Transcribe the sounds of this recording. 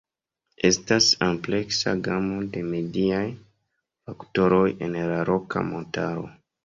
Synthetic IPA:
e̞stasample̞ksa̰ɡamo̞de̞me̞diaj | fakto̞ɾo̞jenlaɾoka̰mo̞taɾo̞̰

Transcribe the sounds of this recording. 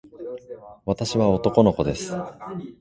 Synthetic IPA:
βat̪aɕiβao̞t̪o̞ko̞no̞ko̞d̪e̞sɨ̥

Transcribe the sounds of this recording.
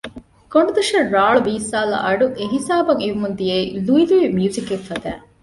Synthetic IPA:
koɳɖud̪uʃɐːaːɭubiːsaːlɐ̰ʔɐɖuʔeɦisaːbɐŋiʋumund̪ijeiluiliʋmjuːzikeffɐd̪æ̰ː

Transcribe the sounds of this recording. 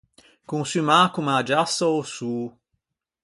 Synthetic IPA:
kũsymaːkumad͡ʒasɐosuː

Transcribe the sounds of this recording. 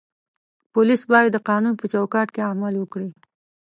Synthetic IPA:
pʊlisbɑjad̪ːəqɑnunpət͡ʃawkɑʈkeamalwəkɽi

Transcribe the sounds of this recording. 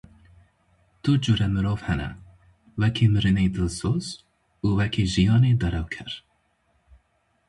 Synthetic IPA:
t̪ud͡ʒuɾɛmɨɾoːvhɛnɛ̰ | wɛkʰimɨɾɨnejd̪ɨlsoːz | uːwɛkʰeːʒijɑːneːd̪ɐɾɛwkʰæɾ

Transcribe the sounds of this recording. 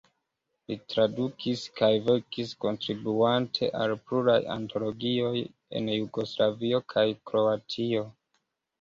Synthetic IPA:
litɾadukiskajveɾkisko̞ntɾibuantʰe̞̰ʔa̰lpluɾaja̰nto̞lo̞ɡio̞j | e̞̰njuɡo̞slavio̞kʰajkɾo̞atʰio̞

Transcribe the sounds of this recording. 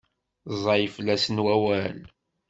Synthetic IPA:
zˤɑjəflːæsənwæwæl

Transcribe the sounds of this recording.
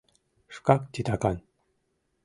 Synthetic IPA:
ʂkɑk̚t̪ʲit̪akan

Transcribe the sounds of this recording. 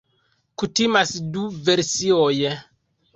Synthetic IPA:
kutimasduveɾsioj

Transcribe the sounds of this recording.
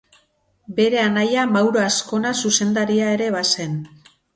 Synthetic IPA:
be̞ɾe̞anajamawɾoasko̞nasuse̞nd̪aɾiae̞ɾe̞βase̞n

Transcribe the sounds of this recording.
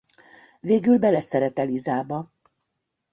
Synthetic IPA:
veːɡylbɛlɛsɛɾɛt̪ɛlizaːbɒ

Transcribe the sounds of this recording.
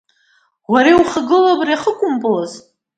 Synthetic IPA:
waɾewχəɡɨlabriaχəkʷʼʊmpʼɨlaz

